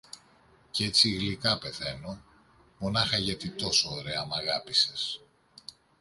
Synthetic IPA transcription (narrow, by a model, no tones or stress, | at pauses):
ce̞t͡siːɣlikɐpe̞θe̞no̞ | mo̞nɐxɐʝɐt̪it̪o̞soːɾe̞ɐmɐɣɐpise̞s